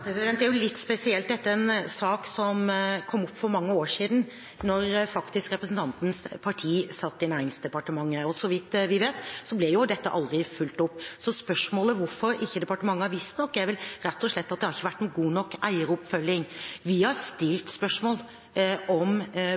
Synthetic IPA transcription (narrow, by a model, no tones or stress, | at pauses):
pʰɾɛsɪd̪ɛnt̪d̪æɾjʊlɪt̪ːspɛsɪɛlt̪̚d̪ɛt̪ːəɛnsɑːksɔmkʰɔmːʊpːfɔɾmɑŋːəoːɾʂiːd̪n̩ | nɔɾfɑkt̪ɪskɾɛpɾəsn̩t̪ʰɑnt̪n̩spʰɑʈʰiːsɑt̪ːɪnæːɾɪŋsd̪ɛpɑʈəmɑŋːəɔsɔʋɪt̪ʋɪʋeːt̪sɔblɛjʊd̪ɛt̪ːəʔɑld̪ɾɪfʉlt̪ʊpːsɔspœʂmoːləʋʊɾfɔɾɪçːəd̪ɛpɑʈəmɑŋːəhɑɾʋɪst̪nɔkːæʋɪlɾɛt̪ːɔʂɭɛt̪ːɑt̪d̪ɛhɑɾɪçːəʋæʈːnuːɡuːnɔkːæɪəɾɔpfœlːɪŋʋɪhɑɾst̪ɪlt̪spœʂmoːl | ɔm